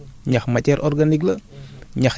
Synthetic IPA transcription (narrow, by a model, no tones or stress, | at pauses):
ɲaxmacɛɾʔɔrɡanik̬ləɲa